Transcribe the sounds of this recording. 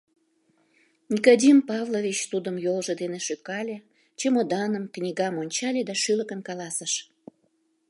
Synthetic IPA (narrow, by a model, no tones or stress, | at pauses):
nʲikod̪ʲimpɑvlovʲit͡ɕt̪ud̪əmjolʒed̪eneʃøkɑlʲe | t͡ɕemod̪ɑnəmknʲiɣɑmonʲt͡ɕɑlʲed̪ɑʃyləkənkɑlɑsəʃ